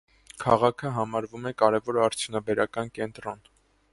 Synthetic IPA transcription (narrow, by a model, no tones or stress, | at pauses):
kʰɑʁɑkʰəɦɑmɑɾvumɛkɑɾɛvɔɾɑɾt͡sʰjunɑbɛɾɑkɑnkɛnt̪ɾɔn